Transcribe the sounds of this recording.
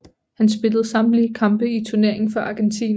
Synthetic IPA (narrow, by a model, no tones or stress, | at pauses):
hænsb̥e̝ləð̞̩ˠsɑ̈m̥likʰɑ̈mb̥əit͡sʰuɐne̝ɐ̰e̝ŋn̩fɒ̽ʔɑ̈ɡ̥ent͡sʰḭːn